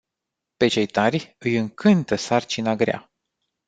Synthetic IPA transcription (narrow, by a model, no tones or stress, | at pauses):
pe̞t͡ʃe̞jt̪arʲɨjɨŋkʰɨnt̪əsart͡ʃinaɡɾea̰